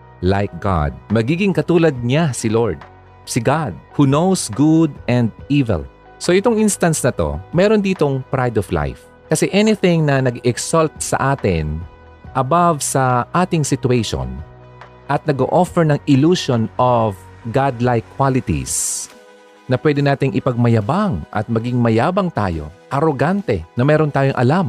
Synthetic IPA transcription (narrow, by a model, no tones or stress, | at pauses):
lajk̚ɡa̰d̪̚mɐɡiːɡɪŋkɐt̪uːlɐd̪̚ɲasɪloɹd̪̚ | sɪɡad̪̚hunowsɡud̪̚ɛnd̪iːvɛ̰l | so̞ʔɪt̪oŋʔinst̪ɐnsnɐt̪o̞̰mɛːɾond̪iːt̪o̞ŋpɾajd̪ɔfla̰jf | kɐsɛʔɛnɪθɪ̃ŋnɐnɐɡɛksalt̪̚sɐ̰ʔaːt̪ɪn | ʔɐbavsɐʔaːt̪ɪŋsɪt̪ʊejʃo̰n | ʔɐt̪̚nɐɡoːʔofɛɹnɐŋɪluːʃonof | ɡad̪lajkːwalɪt̪ḭs | nɐpwɛd̪ɪnaːt̪ɪŋʔɪpɐɡ̚mɐjɐbaŋʔɐ̰t̪̚mɐɡɪŋmɐjaːbɐŋt̪a̰ːjo̞̰ʔɐɾoɡant̪ɛnɐmɛːɾont̪aːjoŋʔɐ̰lam